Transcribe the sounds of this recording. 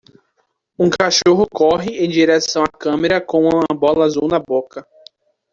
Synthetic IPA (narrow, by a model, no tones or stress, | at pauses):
ũkaʃoɦʊkɔɦɪẽj̃d͡ʒiɾɛsɐ̃w̃akɐ̃meɾɐkõũɐ̃bɔlɐzuwnabokɐ